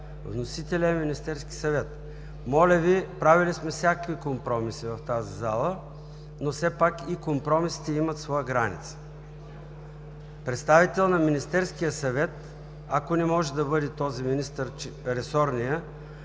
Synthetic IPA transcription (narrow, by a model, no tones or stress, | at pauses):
vnosit̪ɛlʲəminist̪ɛɾski̥sɐvɛt̪ | mɔlʲəvipɾavilismɛfsʲakəkvikompɾɔmisivɐft̪azizalˠə | nosɛpakikompɾɔmisi̥t̪ɛimət̪svɔjəɡɾanḭt̪sə̥ | pɾɛt̪st̪avit̪ɛlˠnɐminist̪ɛɾsk̟ijəsɐvɛt̪ | akonɛmɔʒɛd̪ɐbɤd̪ɛt̪ɔziminist̪əɾ | ɾɛsɔɾnijə